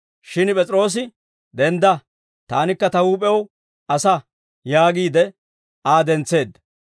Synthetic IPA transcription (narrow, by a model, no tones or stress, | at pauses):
ʃɪnpʼɛt͡sʼɾo̞ːs̬ɪ | d̪ɛnd̪ɐ | t̪aːnɪkːɐt̪ɐwuːpʼɛw | ʔɐsɐ | jaːɡiːd̪ɛ | aːd̪ɛnt͡sːe̞ːd̪